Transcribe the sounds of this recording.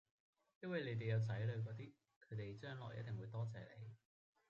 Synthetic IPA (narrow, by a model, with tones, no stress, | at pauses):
jɐ˥nwɐ˨˩jle˨˧jt̪e˨jɐ˨˧wt͡sɐ˨˥jlɵ˨˧ɥk̬ɔː˨˧t̪̬iː˥ | kʰɵ˨˧ɥt̪e˨jt͡ʃœː˥ŋlɔ̰ː˨˩jʔɐ̰˦t̚t̪e˨ŋwuː˨˧jt̪ɔː˥t͡sɛ̰ː˨lḛ˨˧j